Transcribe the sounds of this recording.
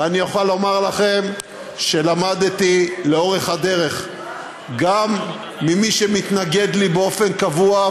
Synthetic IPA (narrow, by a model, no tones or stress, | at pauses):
anijoχalːo̞maʁlaχe̞m | ʃe̞lamad̪t̪ileo̞ʁe̞χhad̪e̞ʁe̞χ | ɡamː | imiʃemit̪naɡe̞d̪libeo̞fe̞nkavua